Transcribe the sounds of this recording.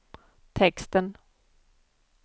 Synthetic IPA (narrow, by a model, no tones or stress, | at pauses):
t̪ʰɛkst̪ən